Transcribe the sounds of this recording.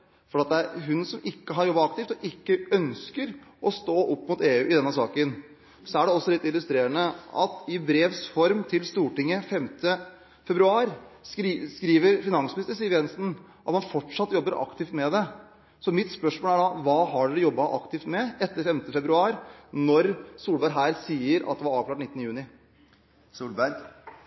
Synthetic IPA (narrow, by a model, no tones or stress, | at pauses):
fɔɾːɑt̪̚d̪ɛæɾɦʉnsɔmɪkːəɦɑɾjɔbːɑɑkt̪ɪːft̪ɔʔɪkːəœnskəɾʔɔst̪oːʔɔpːmʊt̪eːʉːɪd̪ɛnːəsɑːkən | sɔæɖɛɔsːɔlɪt̪ːɪlʉst̪ɾeːɾənəʔɑ̰t̪ɪbɾeːʋsfɔɾmt̪ʰɪlst̪uːʈɪŋːəfɛmt̪ə | fɛbɾʉɑːɾ | skɾiːʋəɾfɪnɑŋsmɪnɪst̪əsiːəɾjɛnsn | ʔɑt̪mɑnfɔʈʂɑt̪ːəjɔbːəɾʔɑ̰kt̪ɪft̪mɛd̪ɛ | sɔmɪt̪spœʂmoːlæɖɑʋɑːhɑɖʉd̪ɛjɔbːɑʔɑkt̪ʰɪft̪mɛɛt̪ːəɾfɛmt̪əfɛbɾʉɑːɾnɔɾsuːlbæɾɡɦæːɾsiːəɾɑ̰t̪̚d̪ɛʋɑɾɑːʋklɑːʈnɪt̪ːənəjʉːnɪ | suːlbæɾɡ